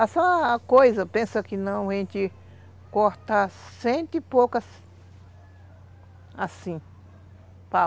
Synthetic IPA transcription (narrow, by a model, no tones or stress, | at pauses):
asɐ̃kojzɐpẽsɐkɪnɐ̃w̃aʒẽnt̪i | koɾt̪asẽnt̪ipokɐs | asĩ | pa